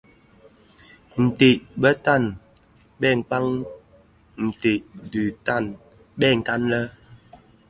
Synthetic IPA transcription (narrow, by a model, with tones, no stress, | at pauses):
n̩˨te˨ʔbə˦ta˦˨n | ɓɛ˦˨ŋ̩˨k͡pa˦ŋ | n̩˨te˨ʔdʉ˨ta˦˨n | ɓɛ˦˨ŋ̩˨ka˦nlə˦